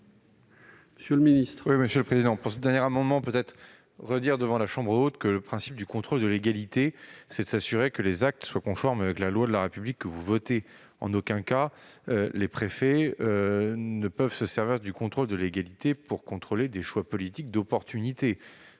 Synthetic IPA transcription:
məsjøləminist̪χwiməsjøləpχezid̪ɑ̃puʁsəd̪ɛʁnjɛʁamɑ̃d̪mɑ̃pøt̪ɛt̪χ | ʁəd̪iʁd̪əvɑ̃laʃɑ̃bʁəot̪kələpχɛ̃sip̚d̪ykɔ̃t̪χold̪əleɡalit̪esɛd̪əsasyʁekəlezak̚t̪swakɔ̃fɔʁmavɛklalwad̪əlaʁepyblikːəvuvɔt̪e | ɑ̰̃nokʲɛ̃ka | lepχefɛ | nəpœvsəsɛʁviʁd̪ykɔ̃t̪χold̪əleɡalit̪epuʁkɔ̃t̪χoled̪eʃwapɔlit̪ik̚d̪ɔpɔʁt̪ynit̪e

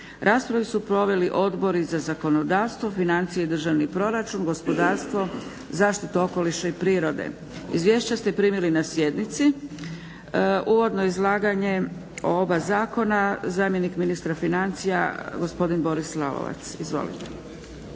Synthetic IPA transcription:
ɾʔaːspɾaʋisupɾo̞ʋe̞liʔo̞d̪bo̞ɾizazako̞no̞d̪aːʋst̪ʋo̞finant̪sijeid̪r̩ʒaʋnipɾo̞ɾat͡ʃunɡo̞spo̞d̪aːɾst̪ʋo̞ | zaːʃt̪it̪uo̞ko̞liʃaipɾiːɾo̞d̪ḛ | ḭzʋje̞ːʃt͡ɕast̪e̞pɾiːmilinasjed̪nit̪si | ʔuːʋo̞d̪noizlˠaːɡaɲe̞ | o̰obazaːko̞nazaːmje̞nikminist̪ɾafinant̪sija̰ɡo̞spo̞d̪inbo̞ɾislalo̰ʋa̰t̪sizʋo̰lḭt̪e̥

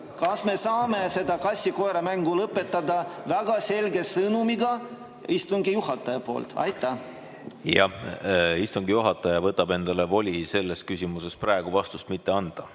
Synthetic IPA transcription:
kɑsme̞sɑːme̞se̞d̪ɑkɑsʲːiko̞eɾɑmæŋɡulɤpːe̞t̪ːˑɑd̪ɑvæɡ̥ɑse̞lɡe̞sɤnumiɡɑ | ist̪uŋɡijuhɑt̪ːˑɑjɑpo̞̰ːlt̪ɑ̰jt̪ːæ | jɑ̰ | ist̪uŋɡijuɦɑt̪ːˑɑjɑvɤt̪ːˑɑb̥e̞nd̪̥ɑlevo̞lʲise̞lːes̚kysʲimuse̞sprɑeɡ̥uvɑst̪ust̪mit̪ːe̞ɑnd̪̥ɑ

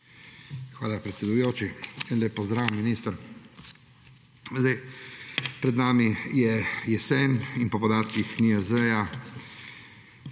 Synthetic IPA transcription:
xʋaːlapɾɛt̪sʲɛd̪ujoːt͡ʃinleːpːɔzd̪ɾaːʋmːinist̪əɾ | zd̪aj | pɾɛd̪naːmijɛjɛsɛninpɔpɔd̪aːt̪kixniɛzɛja

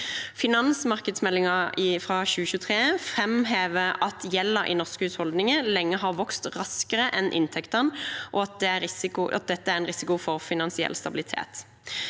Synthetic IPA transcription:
fɪnɑnsmɑʁkəd̪smɛlːɪŋɑɪfʁɑːçʉːəçʉːət̪ʰʁeːfʁɛmɦeːʋəɑt̪ʰjɛlːəɾʔɪ̰nɔʁskhʉːshɔld̪nɪŋəlɛŋːəɦɑʁʋɔkst̪ʁɑskəʁəʔɛnʔɪ̰nt̪ʰɛkt̪ənʔɔɑt̪̚d̪ɛæɾɪsɪkʊʔɑ̰t̪̚d̪ɛt̪ːəæɾɛnʁɪsɪkʊfɔʁfɪnɑnsɪɛ̰lːst̪ɑbɪlɪt̪ʰḛːt̪

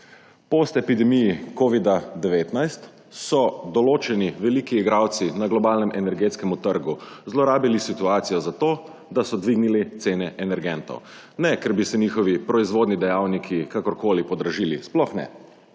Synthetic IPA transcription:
post̪ɛpid̪ɛmijikoːʋid̪ad̪ɛʋeːt̪najst̪ | sɔd̪ɔloːt͡ʃɛniʋɛlikiːɡɾaːwt̪sinaɡlɔbaːlnɛmʔɛnɛɾɡeːt̪skɛmut̪əɾɡuzlɔɾaːbilisit̪uaːt̪sijɔzat̪oː | d̪asɔd̪ʋiɡnilit̪seːnɛʔɛnɛɾɡɛnt̪ɔ̰w | nɛkɛɾbisɛniːxɔʋipɾɔizʋoːd̪nid̪ɛjaːwnikʰikakɔɾkoːlipɔd̪ɾaʒiːlisplɔxnɛ̰

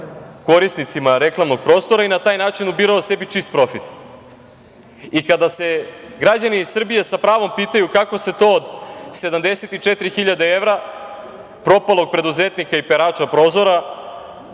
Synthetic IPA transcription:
ko̞ɾist̪nit̪simaɾe̞klˠamno̞ɡ̚pɾo̞ːst̪o̞ɾainat̪aːjnaːt͡ʃinubiɾaose̞bit͡ʂist̪̚pɾo̞fit̪ | ikad̪ase̞ɡɾad͡ʑanisr̩bijesapɾaːʋo̞mpiːt̪ajukako̞se̞t̪o̞ːd̪se̞d̪amd̪e̞se̞t̪it͡ʂet̪ɾixiʎad̪e̞eʋɾa | pɾo̞palˠo̞ɡ̚pɾe̞d̪uzet̪nikaipeɾaːt͡ʂapɾo̞ːzo̞ɾa

